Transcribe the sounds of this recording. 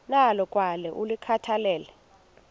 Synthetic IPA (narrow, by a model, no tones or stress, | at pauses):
nalɔkʼwalɛʔulikʰatʰalɛːlɛ